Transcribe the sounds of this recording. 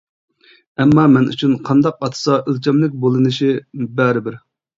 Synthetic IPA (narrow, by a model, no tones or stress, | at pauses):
ɛmːɑmɛny̰t͡ʃʰynqʰɑnd̪ɑq̚ɑt̪ʰɨ̥sɑʔølt͡ʃʰɛmlɪk̚ʲbolˠɨnɨʃibæɾɪbɪɾ